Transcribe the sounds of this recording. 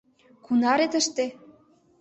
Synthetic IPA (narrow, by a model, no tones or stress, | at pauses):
kunɑɾet̪əʃt̪e